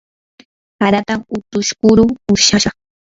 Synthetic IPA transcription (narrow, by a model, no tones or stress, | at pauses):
haɾat̪amʊt̪ʊʃkʊɾʊʊɾʃaʃɑχ